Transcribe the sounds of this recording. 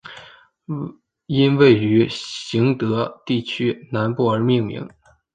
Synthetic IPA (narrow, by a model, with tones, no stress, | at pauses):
i˥nwe˥˩ɪy˧˥ɕi˧˥ŋt̪ɤ˧˥t̪i˥˩t͡ɕʰy˥na˧˥npu˥˩ə˞˧˥mi˥˩ŋmḭ˧˥ŋ